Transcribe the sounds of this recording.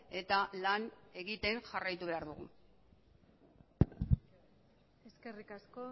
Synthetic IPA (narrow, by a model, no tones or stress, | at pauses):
e̞t̪alane̞ɣit̪e̞nʝarajt̪uβe̞aɾðuɣ̞ṵ | eske̞rikasko